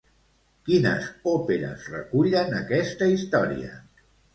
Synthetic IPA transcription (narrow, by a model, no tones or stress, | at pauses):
kinə̰zopeɾə̰zrə̰kuʎənəkɛst̪əist̪ɔɾḭə̰